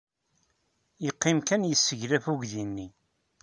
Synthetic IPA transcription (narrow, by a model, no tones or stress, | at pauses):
jəqːɪmkænjəsːəʝɾæfuɡðinːi